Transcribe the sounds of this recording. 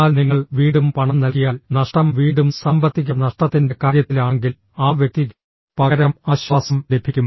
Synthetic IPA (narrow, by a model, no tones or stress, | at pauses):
aːlniŋːɐɭʋiːɽumpɐɳɐmnɐlkːijaːlnɐʂʈɐmʋiːɽumsɐmbʱɐt̪ːik̬ʲːɐnɐʂʈɐt̪ːinde̞kaːɾjɐt̪ːilaːɳeŋɡil | aːʋjek̚t̪i | pɐɣɐɾɐmaːɕʋaːsɐmle̞bʱikʲːum